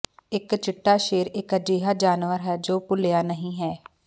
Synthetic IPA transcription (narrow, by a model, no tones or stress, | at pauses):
ɪkt͡ʃɪʈːaːʃeːɾɪkəd͡ʒiːɦaːd͡ʒaːnʋəɾɦɛːd͡ʒoːpʊlɪjaːnəɦĩːɦɛː